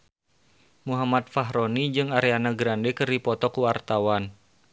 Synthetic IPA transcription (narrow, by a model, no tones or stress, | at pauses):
muɦamat̪̚faɦɾɔnid͡ʒɨŋaɾeanaɡɾandɛkɨrdipɔt̪ɔkuart̪awan